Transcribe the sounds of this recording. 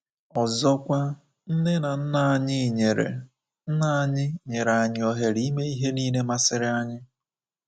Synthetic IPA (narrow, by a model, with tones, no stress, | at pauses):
ɔ˨zɔ˦kʷa˦ | n̩˦ne˦na˨n̩˦na˨˦ɲɪ˦˨ɲe˨ɾḛ˨ | n̩˦na˦˨˦ɲɪ˦ɲe˨ɾa˨a˨ɲɪ˦ɔ˦ɦe˨ɾi˨˦i˦me˦i˦ɦe˦niː˦ne˦ma˦sɪ˦ɾɪ˦a˦ɲɪ˦